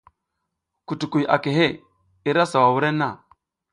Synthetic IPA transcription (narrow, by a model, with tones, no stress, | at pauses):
ku˨tu˨ku˨a̰˨ke˨ɦe˦ | i˦ɾa˦sa˨wa˨wu˦ɾe˦nːa˦˨